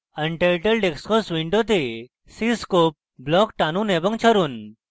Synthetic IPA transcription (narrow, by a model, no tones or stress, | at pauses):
ənʈeʈəlɖekskɔsʋiɳɖot̪̬e | siskop̚blɔkʈanũnebəŋt͡ɕʰəɾuːn